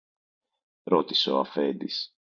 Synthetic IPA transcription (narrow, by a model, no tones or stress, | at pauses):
ɾo̞t̪i̥seoɐ̰fend̪is